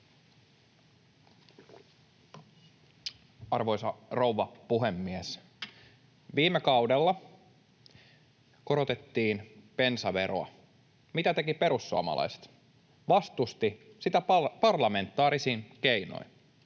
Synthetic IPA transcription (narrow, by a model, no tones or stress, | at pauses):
ɑrʋo̞jsɑro̞wʋːɑpuɦe̞mːies | ʋiːmːekɑwde̞lːɑ | ko̞ɾo̞t̪e̞t̪ːiːnpe̞nsɑʋe̞ɾo̰ɑ̰ | mit̪æt̪e̞kipe̞ɾusːuɑ̰mɑ̰lɑ̰jse̥t̪ | ʋɑst̪ust̪i | sit̪æpɑrlɑme̞nt̪ːˑɑːɾisiːnkejno̰jn